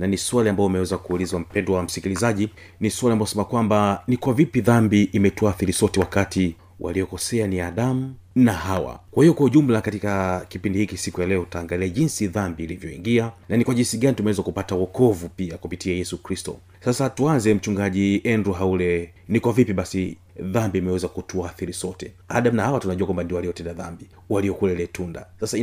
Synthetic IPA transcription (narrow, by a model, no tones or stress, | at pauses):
naniswaliambaɔmɛwɛzakuːlizwam̩pɛndɔwam̩sikilizaʄi | niswaliambaɔsɛmakwambanikwavipiðambiʔːmɛtɔaːθiɾisɔtɛwakati | wʔa̰liɔkɔsɛaniaɗam̩nahawa̰kwahijɔkwauʄum̩lakatikakipindihikisikujalɛɔtaːŋɡaliaʄinsiðambiːlivjɔḭŋɡiananikwaʄinsiɡanitumɛwɛzakupatawɔkɔvupiakupitiajɛsukɾistɔ̰ | sasatuanzɛm̩t͡ʃuŋɡaʄiʔɛndɾuɦaulɛ | nikwavipiɓasi | ðambiːmɛwɛzakutuaθiɾisɔtɛ | aɗamnahawatunaʄuakwambandiwaliɔtɛndaðambi | waliɔkulɛlɛtunda̰sasa